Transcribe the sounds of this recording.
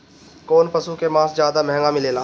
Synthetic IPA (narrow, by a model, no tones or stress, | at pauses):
koːnpɐsukemãːsd͡ʒjaːd̪amɛɦŋɡamɪleːlaː